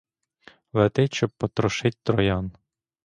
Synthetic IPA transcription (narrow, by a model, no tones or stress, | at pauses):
ʋɛt̪ɪʃt͡ʃɔb̚pɔt̪ɾɔʃɪtʲt̪ɾɔjɑn